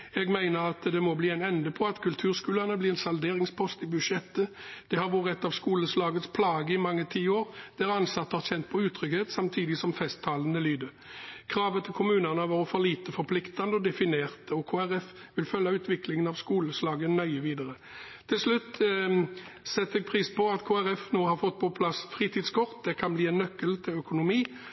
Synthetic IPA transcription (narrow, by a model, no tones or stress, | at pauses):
ɛɡmæɪnəɾɑt̪d̪ɛmɔbliːɛɪnɛnd̪əpʰɔɑt̪kʰʉlt̪ʰʉːʁskʉːlənəbliːɛnsɑld̪eːʁɪŋspʰɔst̪ɪbʉd̪ʂɛt̪ːəd̪̥ɛhɑʁʋʊːʁɛt̪ːɑʋskuːləslɑːɡət̪spʰlɑːɡəɪmɑŋːət̪ʰiːoːʁd̪̥æʁɑnsɑt̪ːəhɑʁçɛnt̪̚pʰɔʉːt̪ʰɾʏɡheːt̪sɑmt̪ʰiːd̪ɪsɔmfɛst̪ʰːɑːlənəlyːd̪ə | kʰʁɑːʋət̪ʰɪlkʰʊmʉːnənəɑʋɑːʁəfɔʁliːt̪əfɔɾpʰlɪkt̪ɑnd̪əɔd̪ɛfɪneːʁt̪ɔkʰoːæʁɛfʋɪlfœlːɑʉːt̪ʰʋɪklɪŋənɑʋskuːləslɑːɡənœʏəʋiːd̪ɑʁə | t̪ʰɪlslʉt̪ː | sɛt̪ːɛɡ̚pʰʁiːspɔɑt̪kʰoːæʁɛfnoːhɑɾfɔt̪̚ːpʰɔpʰlɑsfʁiːt̪iːd̪skʰɔʁt̪̚d̪ɛkʰɑnbliːɛnːœkːəlt̪ʰɪlœkʊnʊmiː